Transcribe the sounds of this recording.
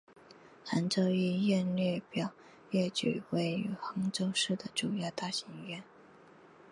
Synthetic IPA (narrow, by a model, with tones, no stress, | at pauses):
xa˧˥nʈ͡ʂo˥˧ʊi˥˧jɛ˥˧nlɥɛ˥˩pjɑ˨˩˦ʊ | jɛ˥˩t͡ɕy̰˨˩we˥˩ɪy˧˥xɤ˧˥ŋʈ͡ʂo˥˧ʊʂɻ̩˥˩d̪ə˩ʈ͡ʂu˨˩jɑ˥˧ʊt̪a˥˩ɕi˧˥ŋɥɛ˥˩n